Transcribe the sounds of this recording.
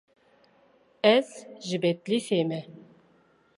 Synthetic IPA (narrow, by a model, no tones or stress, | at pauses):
ɛzʒɨbɛt̪liseːmɛ